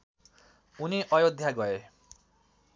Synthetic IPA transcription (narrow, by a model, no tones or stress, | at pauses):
uniʔʌjod̪ʱjaɡʌe